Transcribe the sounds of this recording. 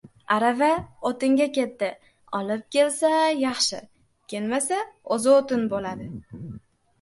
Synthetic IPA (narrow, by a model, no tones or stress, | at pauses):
aɾavaot̪ɪŋɡʲakʲe̞t̪ːɪ | ɒlɪp̚kʲe̞lsajɑχʃɪ̰ | kʲʰe̞lmasaozɪot̪ɪnbolad̪ɪ